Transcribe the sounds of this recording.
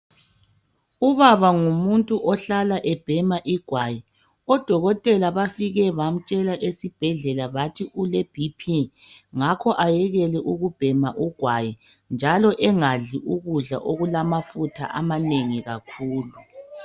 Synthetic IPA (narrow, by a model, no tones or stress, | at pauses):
uβaβaŋumuntʼuʔɔɬalaʔɛb̥ʱɛmaʔiɡ̥ʱwaji | ɔd̥ʱɔɣɔtʼɛlaβafiɣɛβam̩t͡ʃʼɛlaʔesib̥ʱɛɮɛlaβatʰiʔuleb̥ʱipʰiŋakʰɔʔajɛɣɛlɛʔuɣub̥ʱɛmaʔuɡ̥ʱwaji | nd͡ʒʱalɔʔɛŋaɮiʔuɣuɮa̰ʔoɣulamafutʰa̰ʔamaneŋiɣakʰuːlu